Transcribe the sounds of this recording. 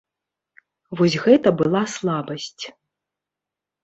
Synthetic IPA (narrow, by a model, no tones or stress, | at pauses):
vɔsʲɣɛt̪ɐbɨlˠaslˠabɐsʲt͡sʲ